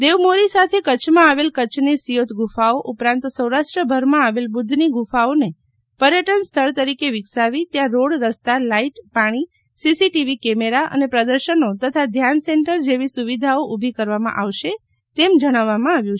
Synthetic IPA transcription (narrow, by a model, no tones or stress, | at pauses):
d̪eʋmoɾisat̪ʰekət͡ʃʰmãaʋelkət͡ʃʰnisijot̪ʰɡʱufaoʔupɾãnt̪səwɾaʃʈɾəbʱəɾmãaʋelbʊd̪ʱːniɡufaone | pəɾjəʈənst̪ʰəɭt̪əɾikeʋɪksaʋit̪jãɾoɽɾəst̪alaiʈpaɽ̃i | sisiʈiʋikɛmeɾaʔə̰nepɾəd̪əɾʃənot̪ət̪ʰad̪ʱjanseɳʈəɾd͡ʒeʋisuʋid̪ʱaoʔubʱikəɾʋamã̰ʔaʋʃe | t̪emd͡ʒəɽ̃aʋːamãaʋjũt͡ʃʰe